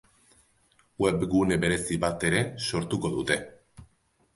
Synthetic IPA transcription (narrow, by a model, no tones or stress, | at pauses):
we̞bɡune̞βe̞ɾe̞siβat̪e̞ɾe̞so̞ɾt̪uko̞ðut̪e̞